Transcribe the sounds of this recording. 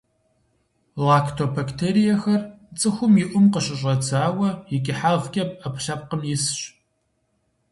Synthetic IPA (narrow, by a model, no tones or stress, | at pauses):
lakʰtʰobaktʰeːɾijɐxɐr | t͡sʼɨxʷʊmjɪʔʷʊmqəɕʼɪɕʷʼɐd͡zʰaːwɐjɪɡʲʼɪħaʁkʲʼɐp̚ʼɐpʰɬɐp̚qəmjɪsɕ